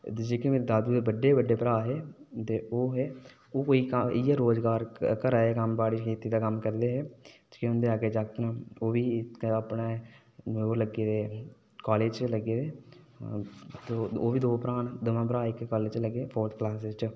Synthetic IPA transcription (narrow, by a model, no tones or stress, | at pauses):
d̪d͡ʒeːkemeːɾed̪aːd̪uːd̪ebəɖːeːʋəɖːeːpəɾaːɦeːt̪eːoːɦeː | oːkoːiːkəɪjaːɾoːd͡ʒɡaːɾkəɾaːeːkəmbaːɽit͡ʃkeːt̪iːd̪aːkəmkəɾd̪eːɦɛː | keʊnd̪eːaːɡeːd͡ʒaːkt̪nãːoːʋiːaːpneː | noːɾləɡeːd̪eː | kaːleːd͡ʒt͡ʃləɡeːd̪eː | t̪oːoːʋiːd̪oːpɾaːnd̪əmãːp̬əɾaːɪkkaːleːd͡ʒt͡ʃləɡeːpʰoːɾt̪ʰklaːs̬ɪzt͡ʃ